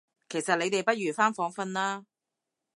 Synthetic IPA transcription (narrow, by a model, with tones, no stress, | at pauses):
kʰe˨˩jsɐ˨t̚le˨˧jt̪e˨jpɐ˥t̚ɥyː˨˩faː˥nfɔː˨˥ŋfɐ˧nlaː˥